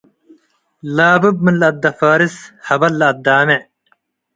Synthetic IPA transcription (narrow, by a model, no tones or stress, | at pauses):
laːbɐb̚minlːɐd̪ːɐfaːɾishɐbɐlːɐɐd̪ːaːme